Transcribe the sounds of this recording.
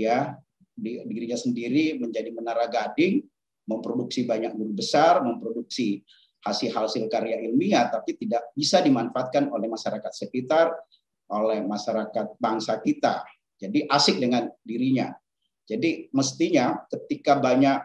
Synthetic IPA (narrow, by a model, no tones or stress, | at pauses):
ja | didiɾiɲasəndiɾiməɲd͡ʒadimənaɾahɡadɪŋ | məmpɾoduksibaɲak̚ɡunubəsarməmpɾoduksi | hasɪhalsɪlkaɾjaʔilmiat̪apit̪idaʔ̚bisadimanfaːt̪̚kanolɛhmaʃaɾakat̪̚səkit̪ar | ʔolɛhmaʃaɾakat̪̚baŋsakit̪a̰ | d͡ʒadiʔasɪk̚dəŋandiɾiɲa | d͡ʒadiməst̪iɲakət̪ikabaɲak̚